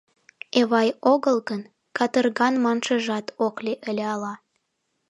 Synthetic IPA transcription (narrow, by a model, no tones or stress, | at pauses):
eβɑjoɣəlɣən | kɑt̪ərɣɑnmɑnʃəʒɑt̪ʰokleʔəlʲeɑlɑ